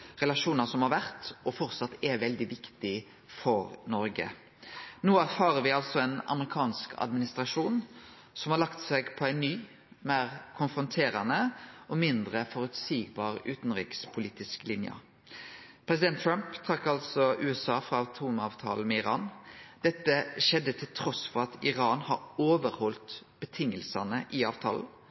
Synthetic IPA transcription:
ʁɛlɑʂuːnəsɔmhɑɾʋæʁt̪ɔfɔɾt̪sɑt̪ːɛʋɛld̪ɪʋɪkt̪ɪ | fɔɾnɔɾɡə̰ | noːæʁfɑːɾəʋɪɑlsɔɛnɑ̰məʁɪkʰɑːnskʰɑ̰d̪mɪnɪst̪ɾɑʂuːn | sɔmhɑɾlɑkt̪sɛɡpʰɔæɪnnyː | meːʁkʰʊnfɾʊnt̪ʰeːɾɑnəɔmɪnd̪ʁəfɔɾʉt̪siːɡbɑːʁʉːt̪n̩ʁḭːkspʰʊliːt̪ɪsklɪnjə̰ | pʰɾɛsɪd̪ɛnt̪ʰːɾampt̪ʰɾɑkːɑlsɔʉːɛsɑːfɾɑɑt̪ʰuːmɑːʋt̪ʰɑ̰ːl̩mɛɪɾɑ̰ːnd̪̥ɛt̪ːəʃɛd̪ːət̪ʰɪlt̪ʰɾɔsfɔʁɑt̪ʰɪʁɑːnhɑɾoːʋəɾhɔlt̪b̥ət̪ʰɪŋːəlsɑnəʔɪɑːʋt̪ʰɑ̰ːln̩

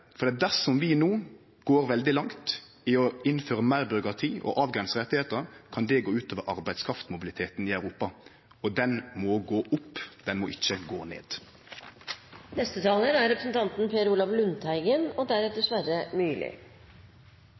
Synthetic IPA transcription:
fɔɾd̪ɛɑt̪̚d̪æsɔmʋɪnuː | ɡ̥oːɾʋɛld̪ɪlɑŋt̪ | ɪɔɪnføːɾəmæɪɾbʏɾʊkɾɑt̪ʰiːʔɔ̰ʔɑːʋɡʁɛnsəʁɛt̪ːɪheːt̪əkʰɑnd̪ɛɡoːʉːt̪ʰøːʋəɾʔɑʁbæɪd̪skʰɾɑft̪mʊbɪlɪt̪ʰeːt̪nɪæʉɾuːpɑ | ɔd̪ɛnmɔɡoːʔʊpːd̪̥ɛnmɔʔɪçːəɡo̰ːnḛːd̪̥ | nɛst̪ət̪ʰɑːlənæɾɾɛpɾəsnt̪ʰɑnt̪n̩pʰeːɾuːlɑʋlʉnt̪ʰæɪɡənɔd̪æɾɛt̪̚d̪ɛsʋæɾəmyːlɪ̰

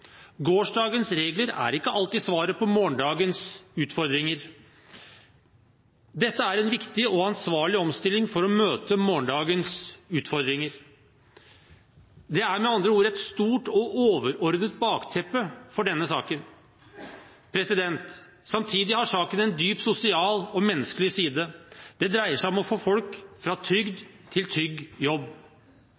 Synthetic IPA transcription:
ɡoːʂɖɑːɡənsɾeːɡləɾæ̰ɾɪkːəʔɑlt̪ɪsʋɑːɾəpʰɔmoːɳɖɑːɡənsʉːt̪fɔɾd̪ɾɪŋəɾ | d̪ɛt̪ːəæɾɛnʋɪkt̪ɪɔɑnsʋɑːɭɪɔmst̪ɪlːɪŋfɔɾɔmøːt̪əmoːɳɖɑːɡənsʉːt̪fɔɾd̪ɾɪŋəɾ | d̪ɛæɾmɛɑnd̪ɾəuːɾɛt̪st̪uːʈɔʔoːʋəɾɔɾd̪ət̪̚bɑːkt̪ʰɛpːəfɔɖɛnːəsɑːkən | pʰɾɛsɪd̪ɛnt̪ | sɑmt̪ʰiːd̪ɪhɑʂɑːkənɛnd̪yːpsʊsɪɑːlɔmɛnːəskəlɪsiːd̪əd̪̥ɛd̪ɾæɪəʂæɪɔmɔfoːfɔlkfɾɑt̪ʰɾʏɡd̪t̪ʰːɪlt̪ʰɾʏɡːjɔbː

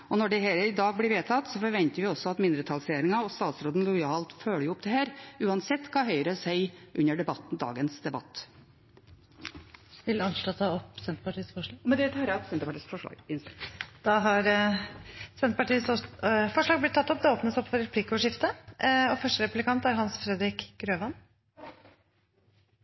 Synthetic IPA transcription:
ɔnɔɖɛɦɛləɾɪd̪ɑːɡ̚blɪɾʋeːt̪ʰɑt̪sɔfɔɾʋɛnt̪əɾʋɪɔsɔɑt̪mɪnd̪ɾət̪ʰɑlseːɾɪŋɑɔst̪ɑːt̪sɾoːd̪n̩lʊjɑːlt̪føːləjʊʊpːd̪ɛhæːɾʉːɑnsɛt̪ːkʰɑːɦœʏəɾəsæɪʔʉnːəɖɛbɑt̪n̩d̪ɑ̰ːɡənsd̪ɛbɑ̰t̪ː | ʋɪlɑnʂʈɑt̪ʰɑɔpːsɛnt̪əpɑʈiːəsfɔʂɭɑːɡmɛnd̪ɛt̪ʰɑːɾt̪sɛnt̪əpɑʈiːsfɔʂɭɑ̰ːɡɪnsd̪̥ɑɦɑɾ | sɛnt̪ə̥pɑʈiːəsfɔʂɭɑːɡblɪt̪ːɑt̪ːɔp̚d̪ɛoːpnəsɔpːfɔɾɛpʰliːkːəɔʂɪft̪əɔfœʂʈəɾɛpʉlɪkʰɑnt̪æɾɦɑnsfɾɛd̪ɾɪkɡɾøːʋɑn

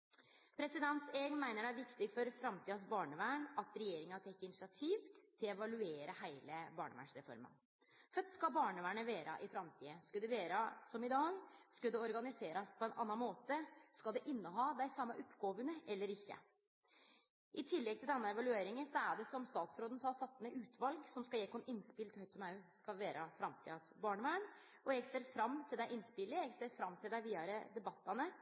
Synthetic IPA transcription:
pʰɾɛsɪd̪ɛnt̪eɡnmæɪnəɖææɾʋɪkt̪ɪfɔɾfɾɑmt̪ʰiːɑs̬bɑːɳəʋæːɳɑt̪ɾɛjeːɾɪŋɑt̪ʰɛkːɪnɪsɑt̪ʰiːʋt̪ʰɪlɛʋɑlʉeːɾəhæɪləbɑːɳə̰ʋæ̰ɳʂɾɛfɔ̰ɾmə̰n | fœt̪ːskɑlbɑːɳəʋæːɳəʋeːɾɑ̰ʔɪfɾɑmt̪ʰiːəskʉld̪ɛʋeːɾəsɔmɪd̪ɑːɡskʉld̪ɛɔɾɡɑnɪseːɾɑspʰɔɛnʔɑ̰nːɑnmoːt̪əskɑld̪ɛʔɪnːəɦɑːd̪æɪsɑmːɑʔɔpːɡoːʋənəʔɛlːəɾɪçːə̰ | ʔɪt̪ʰɪlːɛɡ̚t̪ʰɪld̪ɛnːɑɛʋɑlʉeːɾɪŋənsɔæɖɛsɔmst̪ɑːt̪sɾoːd̪ən̩sɑːsɑt̪ːnəʔʉːt̪ʰʋɑlɡsɔmskɑjɛːkʰɔnɪnːspɪlt̪hœʏt̪sɔmɑʉskɑʋeːɾəfɾɑmt̪ʰḭːɑsbɑːɳəʋæːɳ | ʔɔjɛɡseːɾfɾɑmːt̪ʰɪld̪æɪʔɪnːspɪlːɪjɛɡseːɾfɾɑmːt̪ʰɪld̪æɪʋiːɑɾəd̪ɛbɑt̪ːɑnə

